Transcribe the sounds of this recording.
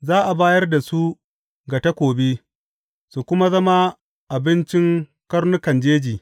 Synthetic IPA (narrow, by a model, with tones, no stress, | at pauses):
zaː˦ʔa˨baː˦jɐ˦rda˨su˦ | ɡa˨tɐ˦kʷoː˨be˦ | su˨kʷʊ˦ma˦zɐ˦ma˦ | ʔa˨bɪ˦nt͡ʃɪ˦ŋ | kɐ˦rnʊ˦kɐ˨nd͡ʒeː˦d͡ʒiː˨